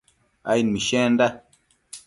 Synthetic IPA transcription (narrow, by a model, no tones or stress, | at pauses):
a̰inmiʃɛ̃nda